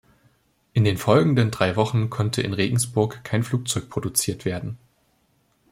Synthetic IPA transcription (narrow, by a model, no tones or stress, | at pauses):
ʔɪndeːnfɔlɡŋ̩dəndʁaɪvɔχn̩kʰɔntʰəʔɪ̰nʁeːɡŋ̩sb̥ʊɐkʰːaɪnfl̥uːk̚t͡sɔʏk̚pʁ̥odut͡siːɐtv̥eːɐdn̩